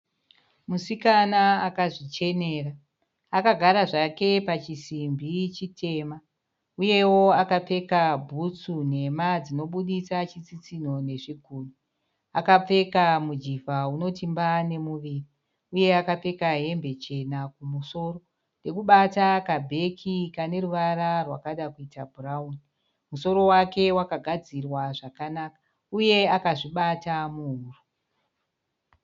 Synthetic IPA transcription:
musikanaakaʐit͡ʃe̞ne̞ːra | akaɡʱaɾaʐake̞pat͡ʃisimbʱit͡ʃitʰe̞ːma | uje̞wo̞akap͡fe̞kabʱut͡sune̞mad͡zino̞ɓuɗisat͡ʃit͡sit͡sino̞ne̞ʐiɡʱuːni | akap͡fe̞kamud͡ʒivauno̞timbane̞muʋiːri | uje̞akap͡fe̞kaɦe̞mbe̞t͡ʃe̞nakumuso̞ɾo̞ | nde̞kuɓatakabʱe̞kʰikane̞ruʋaɾarwakaɗakuitabʱurauni | muso̞ɾo̞wake̞wakaɡʱad͡zirwaʐakanakḁ | uje̞akaʐiɓatamuɦuːru

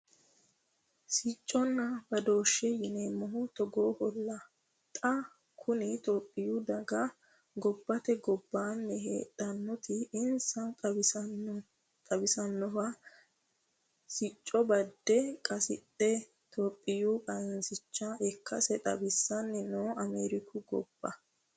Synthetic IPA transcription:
sɪt͡ʃʼːɔnːɐbɐd̪o̞ːʃːɛjɪnɛmɔɦʊt̪ɔɡoːhɔlːɐ | t̪ʼɐ | kʰʊnɪt̪oːpʼːɪjud̪ɐɡɐ | ɡɔbːɐt̪ɛɡɔbːaːnːɛhḛːᶑʼɐnːɔt̪ɪɪnsɐt̪ʼɐb | t̪ʼɐbɪsɐnːɔwɐ | sɪt͡ʃʼːɔbɐd̪ːɛkʼɐsɪt̪ʼːɛ | t̪ʰoːpʼːɪjuːkʼɐɪnsɪt͡ʃːaʔɛkʰːɐsɛt̪ʼɐ̰bɪsːɐnːɛnoːɐmeːɾɪkʰʊɡɔ̰b̥ːɐ

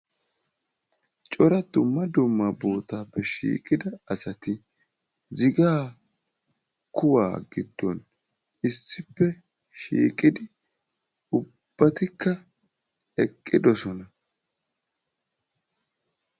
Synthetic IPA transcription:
t͡ʃʼɔɾɐd̪̥ʊmːɐd̪ʊmːɐbo̞ːt̪aːpːɛʃḭːkʼɪd̪ɐɐsɐt̪ɪ | zɪɡaː | kʊwa̰ːɡɪd̪̥ːɔn | ɪsːɪpːɛ | ʃḭːkʼɪd̪ɪ | ʊ | b̥ːɐt̪ɪkːɐ | ɛkʼːɪd̪ɔsɔnɐ

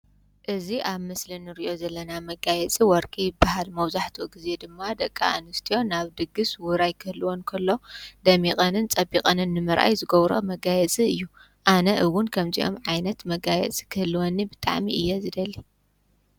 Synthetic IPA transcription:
ʔɨziʔaβmɨslinɨɾiʔo̞zɐlːɐnamɐɡajɛt͡sʼiwɔɾkʼijbahalmɐwzaħt̪ʰuɡize̞d̪ɨmːad̪ɐkʼːa̰a̰nɨst̪ʰijo̞naβd̪ɨɡɨswʊɾajkʰɨhɨlwonkʰɐlːo̞d̪ɐmikʼɐnɨnt͡sʼɐbikʼɐnɨnːɨmɨɾʔa̰jzɨɡɐβɾo̰mɐɡajɛt͡sʼiɨjːu | ʔanɐʔɨwʊnkʰɐmziʔo̞̰mʕajnɐt̪mɐɡajɛ̰t͡sʼi̥kʰɨhɨlɨwonːibɨt̪ʼa̰ʕmiʔɨjːozɨd̪ɐlːi

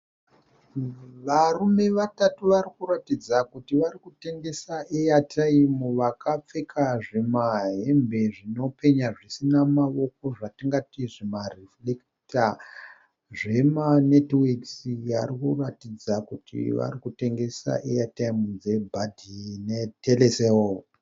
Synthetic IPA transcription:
ʋarume̞ʋatatuʋarikuratid͡zakutiʋarikute̞ŋɡe̞saʔejatʰaimuʋakʰap͡fe̞kʰaʐemaɦe̞mbe̞ʐino̞pe̞ɲaʐisinamaʋo̞k̚o̞ʐatiŋɡatiʐimariflek | ta | ʐe̞manetwiksia̰rikuratid͡zakutʰḭʋa̰rikute̞ŋɡe̞sa̰ʔejataimud͡ze̞bʱadʱinetʰeleseo

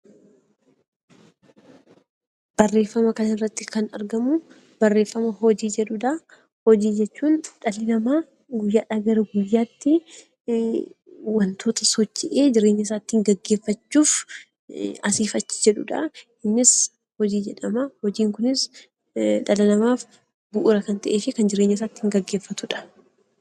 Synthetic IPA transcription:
b̥ɐrːe̞ːfːɐmɐkɐnɐɪrːɐt̪ːɪkɐnɐ̰ɾɡɐmʊ | b̥ɐrːe̞ːfːɐmɐɦɔd͡ʒiːd͡ʒɛᶑʊᶑɐ | hɔd͡ʒiːd͡ʒɛt͡ʃːuːnᶑɐlɪnɐmaː | ɡʊjːaːᶑɐɡɐɾɐɡʊjːaːt̪ːɪ | wɐnt̪ʰo̞ːt̪ɐsɔt͡ʃːɛʔeːd͡ʒɪɾeːɲːɐɪs̬aːt̪ːɪɪŋɡɐɡːe̞ːfːɐt͡ʃːuːf | ɐsiːfɐt͡ʃːɪ̥d͡ʒɛᶑʊᶑɐ̰ | ɪnːɪs | hɔd͡ʒiːd͡ʒɛᶑɐmɐhɔd͡ʒiːŋkʊnɪs | ᶑɐlɐnɐmaːf | bʊʔʊɾɐkɐnt̪ɐʔeːfɪkɐnd͡ʒɪɾeːɲːɐs̬aːt̪ːɪɪŋɡɐɡːe̞ːfːɐt̪ʊᶑɐ̥

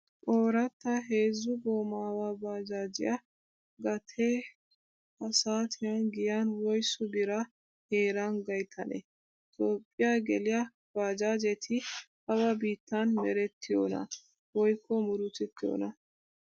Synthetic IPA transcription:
ʔoːɾɐt̪ːɐɦe̞ːzːʊɡoːmaːwaːbaːd͡ʒaːd͡ʒɪjɐ | ɡɐt̪ʰe | ɐsaːt̪ʰɪjaːnɡɪjaːnwɔjsʊbɪɾɐ | heːɾaːnɡɐjt̪ʰːɐnɛ̰ | t̪o̞ːpʼːɪjaɡɛlɪjɐ | b̥aːd͡ʒaːd͡ʒɛt̪ʰɪhɐwɐbiːt̪ːanmɛɾɛt̪ʰːɪjo̰ːnɐ̰ | wɔjkʰːɔmʊɾʊt̪ɛt̪ːɪjo̰ːnɐ

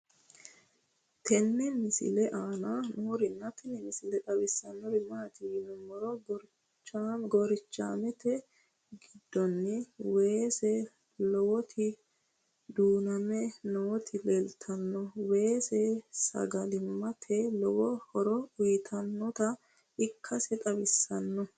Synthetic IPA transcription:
t̪ɛnːɛmɪsɪ̰lɛʔaːnɐnoːɾɪnːɐt̪ɛnɛmɪsɪlɛᶑɐwɪsːɐnːɔɾɪmɐt̪ɪnɔmːɔɾɔɡɔɾ | t͡ʃːaɡɔɾɪt͡ʃːa̰ːmɛt̪ɛ | ɡɪd̪ːɔnːɛweːsɛ | lɔwɔt̪ʰɪ | d̪uːnɐmɛnɔwɔt̪ʰɪlɛlt̪ʰːɐnːɔwe̞ːsɛsɐ̰ɡɐlɪmːɐt̪ʰɛlɔwɔhɔɾɔʊjt̪ʰɐnːɔt̪ɐ | ɪkʰːɐsɛt̪ʼɐbɪsːɐnːɔ

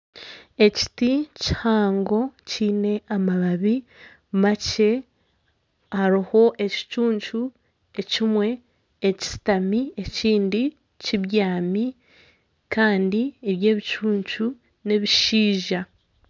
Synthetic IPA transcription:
e̞ci̥tici̥haːŋɡo̞ciːne̞ʔamaβaβi | mace̞ | haɾiho̞ʔe̞ci̥t͡ʃuːɲt͡ʃu | e̞cimwe̞ː | ci̥si̥tamie̞ciːndi | ciβjaːmi | kaːndieβje̞ːβit͡ʃuːɲt͡ʃu | ne̞βiʃiːʒa

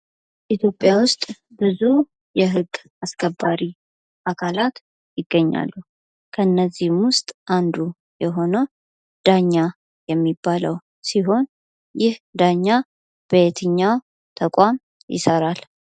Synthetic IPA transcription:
ʔit̪ʰjo̞pʼːjawʊst̪ʼ | bɨzu | jɛɦɨɡːʔaskʰəbːaɾi | ʔakʰalat̪ | jɪɡːəɲːa̰lːu | kʰənːəzːihmwʊst̪ʼʔand̪u | jɛɦo̞nə | d̪̥aɲːa | jɛmːibːaləw | siɦo̞n | jɪhd̪aɲːa | b̥əet̪ʰɨɲːaw | t̪ʰəkʷʼam | jɪ̰səɾal

